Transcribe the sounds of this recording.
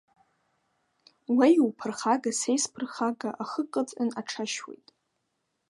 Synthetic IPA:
wejwpʰɨrχaɡasejspʰɨrχaɡaʔaχəqʼət͡sʼanaʈ͡ʂʰaʃwḛjtʼ

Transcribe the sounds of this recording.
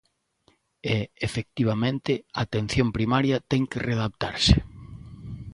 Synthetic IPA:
eefek̚t̪iβ̞amẽnt̪ɪat̪en̟θjompɾimaɾjɐt̪ɛŋkɪreðap̚t̪a̰ɾsɪ

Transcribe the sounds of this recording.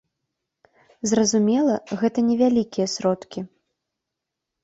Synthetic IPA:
zrɐzumʲɛlˠɐɣɛt̪ɐnʲɛvʲalʲikʲijɐsɾɔt̪kʲi

